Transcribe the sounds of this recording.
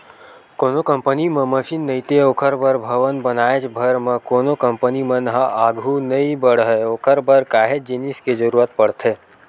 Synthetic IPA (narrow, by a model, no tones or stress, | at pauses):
koːnokə̃mpənimə̃məʃiːnːəit̪eoːkʰəɾbəɾbʱəʋənbənaːet͡ʃbʱəɾməkoːnokəmpənimə̃nɦaʔaɡʱunəĩbəɽ̤ɦəoːkʰəɾbəɾkaːɦed͡ʒinisked͡ʒəɾuːɾat̪̚pəɽt̪ʰeː